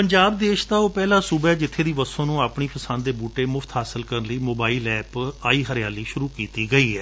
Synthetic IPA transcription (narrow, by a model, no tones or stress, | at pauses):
pəɲd͡ʒaːbd̪eːʃt̪aːoːpɛːlaːsʊbɛːd͡ʒɪt̪ʰːeːd̪iːʋəsõːnũːaːpɳiːpəsãːnd̪d̪eːbuːʈeːmʊfʰt̪ɦaːsəlkəɾənləiːmoːbaːiːlɛːpaːiːɦəɾjaːliːʃʊɾuːkiːt̪iːɡəiːɦɛː